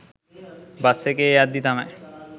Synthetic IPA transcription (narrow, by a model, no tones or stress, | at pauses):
basekeead̪ːit̪ama